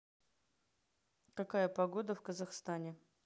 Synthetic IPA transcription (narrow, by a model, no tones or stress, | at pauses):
kɐkajəpɐɡo̞d̪əfkəzɐxst̪anʲɪ